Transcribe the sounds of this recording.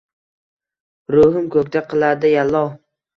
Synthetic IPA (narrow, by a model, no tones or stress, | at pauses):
ɾoɦɪmkʰɵk̚ʲt̪aqʰɨlˠaɾd̪ɪjalːɒw